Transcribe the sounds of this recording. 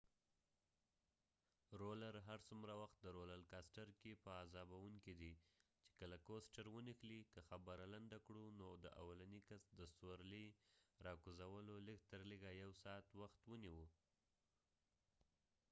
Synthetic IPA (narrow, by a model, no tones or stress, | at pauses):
ɾolaɾɦaɾsumɾawaxt̪̚d̪əɾolalkɑsʈaɾkepəazɑbawuŋkid̪it͡ʃe̥kəlakosʈaɾwənixlikəxabaɾaland̪akɽunod̪əʔa̰walanikasd̪əsoɾliɾɑkuzawəloləɡt̪əɾləɡajawsɑt̪waxt̪wəniwə